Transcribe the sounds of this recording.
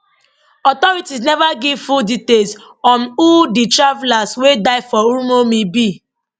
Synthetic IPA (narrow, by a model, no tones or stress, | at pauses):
ɔtɔɾitis̬nɛvaɡivfulditels | ɔnuditɹavlaswedaɪfɔuɾumomibi